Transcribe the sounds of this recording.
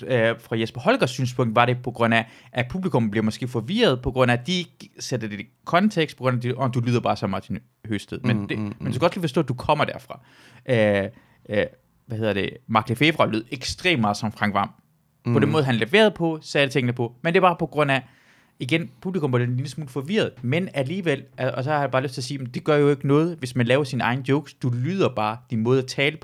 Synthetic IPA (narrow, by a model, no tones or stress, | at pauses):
øfʁɑ̈jesb̥ɐhɒ̽lɡ̥ɐsːy̰ːnspʰɔ̽ŋ̰d̥ʋɑ̈ɾe̝pʰɒ̽ɡ̥ʁɔ̽n̰æʔæpʰub̥likʰɔ̽m̩b̥leɐmɒ̽sɡ̥e̝̰ːfɒ̽ʋḭːɐð̞ˠpʰɒ̽ɡ̥ʁɔ̽n̰æd̥ie̝ɡ̥sed̥əd̥ekʰɒ̽nt͡sʰeɡ̥sd̥̚pʰɒ̽ɡ̥ʁɔ̽næd̥iɒd̥ulyːðˠɐb̥ɑ̈ːsɒ̽mɑ̈t͡sʰin | høsd̥ʰeðˠmend̥emendjuskæɡɒ̽sliːfɒsdɔ̰̽ːd̥ukʰɒ̽m̰ɐd̥æɐfʁɑ̈ | ʔø | ʋæhe̝ð̞ˠɐd̥e̝mɑ̈ɡ̥lefeʋʁɑlyð̞̰ˠeɡ̥sd̥ʁḛːmːɑ̈ːð̞̩ˠsɒ̽mfʁɑ̈ŋɡ̥ʋɑ̈m̰ | pʰɒ̽denmɔ̽ːð̞̩ˠɦænleʋe̝̰ːɐð̞̩ˠpʰɒ̽sɛːlət͡sʰeŋ̰nəpʰɒ̽mend̥e̝bɑ̈ːpʰɒ̽ɡ̥ʁɔ̽n̰æ | iɡ̥enpʰub̥likʰɔ̽mpɑd̥enlinəsmuːlfɒ̽ʋiɐð̞̩ˠmenæliːʋel̰ʔæɒsɒhɑhæbɑ̈ːløsdt͡sʰe̝ɐsiːem̩d̥e̝ɡ̥ɶɐjo̝e̝ɡ̥ənɔ̽ːð̞ˠʋe̝smænlɛːʊɐsinɑ̈ɪnəd̥jɔʊɡ̥sd̥ulyːð̞̰ˠɐb̥ɑ̈ːd̥inmɔ̽ːð̞̩ˠæt͡sʰɛːləpʰ